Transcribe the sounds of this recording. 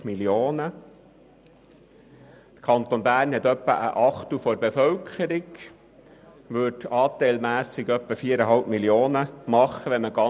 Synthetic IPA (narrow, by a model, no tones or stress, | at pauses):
miljoːnə | t̪əkʰɑnt̪onbæːrnhɛt̪œpːə̰ʔə̰ʔɑχt̪ufɔɾbefœlkʰəɾiɡ | ʋʏtɑːt̪ɛɪlmæːsɪɡœpːəfiːəɾəɦɑlpmiljoːnəmɑχːəʋɛməɡɑ